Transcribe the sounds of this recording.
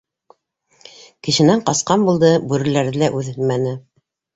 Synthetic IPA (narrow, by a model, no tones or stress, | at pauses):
kɘ̆ʃɘ̆næɴqɑsqɑnbulˠd̪ɤbʉɾɘ̆læɾðɘlæʔʉðɘlmænɘ